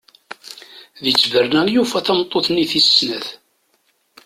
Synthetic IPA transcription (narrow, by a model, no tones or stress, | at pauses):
ðit͡sːvərnænjufæθæmt̪ˤːoθniθisːnæθ